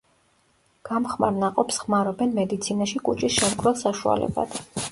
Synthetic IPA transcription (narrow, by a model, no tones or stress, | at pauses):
ɡ̥amχma̰ɾnaqʼɔpsχmaɾɔbɛnmɛd̪it̪sʰinaʃikʼut͡ʃʼisʃɛmkʰʼɾɔlˠsaʃua̰lɛ̰ba̰d̪̥